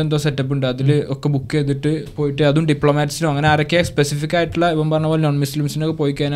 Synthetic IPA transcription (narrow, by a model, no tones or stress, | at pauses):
end̪o̞ːsetːɐp̬ːuɳɖɨɐðilokːe̞bukːɨet̪ːiʈːɨpo̞ːjiʈːɨɐðuɖipɭoːmaːʈːisinoɐŋːɐneaːrɐkːespesifikʲːaːjiʈːiɭːɐipːɐmpɐrɐɲːɐpːoːlnoːnmuslimsinokːepo̞ːjikʲːaːn